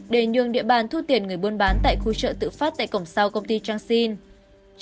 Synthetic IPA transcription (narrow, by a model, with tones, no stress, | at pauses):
ɗe˧˩ɲɨ̰˧˨əŋɗḭ˧˨əɓaː˨˩nt̪ʰu˧˥t̪i˨˩ənŋɨ˨˩əjɓo˧ənɓaː˨˦nt̪a̰ː˧˨jxu˧t͡ɕə̰ː˧˨t̪ɨ̰˧˨faː˦˥t̚t̪a̰ː˧˨jkə˧˩wŋ͡msa˧wkə˧wŋ͡mt̪i˧t͡ɕaː˧ŋsi˧n